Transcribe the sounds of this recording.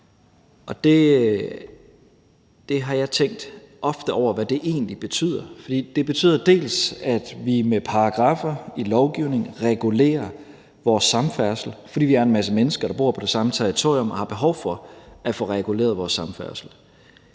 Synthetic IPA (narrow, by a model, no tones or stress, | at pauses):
ʔɒ̽d̥e̝ | d̥e̝ɦɑ̈jɑ̈ɪt͡sʰeŋ̰ɡd̥ | ɒ̽fd̥əʔɒʊ̰ɐʋæd̥e̝ʔe̝̰ːnlib̥e̝t͡sʰy̰ːð̰ˠɐfɒ̽d̥ḭːd̥e̝b̥e̝t͡sʰy̰ːðˠɐd̥e̝̰ːlsæd̥ʋimepʰɑ̈ɑɡ̥ʁɑ̈ːfɐilɒʊɡ̥iʊne̝ŋʁɛɡ̥ule̝̰ːɐ | ʋɒːsːɑ̈mfæɐsl̩fɒ̽d̥ḭːʋiæɐe̝nmæs̬əmenəsɡ̥ɐɾ̥ɑ̈b̥o̝̰ɐpʰɒ̽d̥e̝sɑ̈mət͡sʰɛɐʁit͡sʰo̝ɐ̰iɔ̽mɒhɑ̈b̥e̝ɦɒʊfɒ̽æfɔʁɛɡ̥ulḛːɐð̞̩ˠʋɒːsːɑ̈mfæɐ̰sl̩